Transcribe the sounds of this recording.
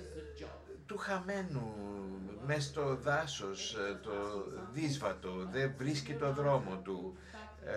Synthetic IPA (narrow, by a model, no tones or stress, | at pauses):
t̪uxɐme̞nu | mest̪o̞ðɐsost̪oðizvɐt̪o̞ðevɾiscit̪o̞ðɾo̞mo̞t̪u